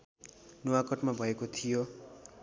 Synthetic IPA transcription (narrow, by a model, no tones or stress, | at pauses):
nuwakʌʈmabʱʌekot̪ʰijo